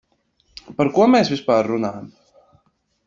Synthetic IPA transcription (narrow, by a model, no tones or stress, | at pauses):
paɾkuɔmeːsvʲispaːɾːunaːjam